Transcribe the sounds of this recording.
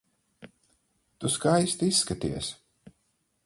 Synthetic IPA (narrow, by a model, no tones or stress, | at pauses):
t̪uskajst̪isːkat̪ḭɛs